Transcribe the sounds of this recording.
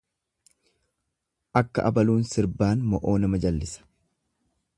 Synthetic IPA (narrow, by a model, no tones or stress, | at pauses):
ʔɐkːɐ̰ʔɐ̰bɐluːnsɪɾbaːnmɔʔo̞ːnɐmɐd͡ʒɐlːɪsɐ̥